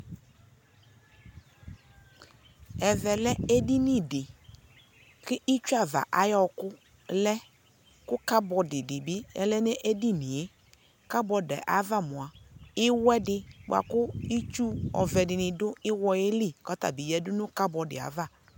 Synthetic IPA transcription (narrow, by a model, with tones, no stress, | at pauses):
ɛ˨vɛ˨lɛ˦e˦di˦ni˨dɪ˨ | kɪ˦ʔɪ˦t͡ʃu˦a˨va̰˨ʔa˨jɔ˦kʊ˦ | lɛ˦ | kʊ˦ka˦bɔ˨dɪ˨dɪ˨bɪ˦ɛ̰˦lɛ˦nɛ˦ʔe˦di˦ni˨je˦ | ka˦bɔ˨dɛ̰˨ʔa̰˨˦va˦˨mʊ˨a˨ɪ˦wɛ˦dɪ˦ɡ͡ba̰˨kʊ˦i˦t͡ʃu˦ɔ̰˨vɛ˨dɪ˨nɪ˨dʊ˦ɪ˦wɔ˨je˦li˦˨kɔ˨˦ta̰˨bi˨jɛ˨dʊ˦nʊ˦ka˦bɔ˨dɪ̰˨a̰˨˦va˦˨